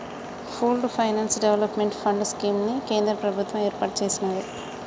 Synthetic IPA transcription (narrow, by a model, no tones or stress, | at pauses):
pʰulɖpʰɐjnaːnsɖeʋlɐpmeɳʈpʰɐɳɖskiːmnike̞ːnd̪ɾɐpɾɐbʱut̪ʋɐmeːɾpaːʈt͡ʃe̞ːsinaːji